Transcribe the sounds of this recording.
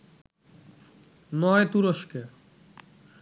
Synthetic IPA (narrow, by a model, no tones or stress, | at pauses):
nɔet̪uɾoʃke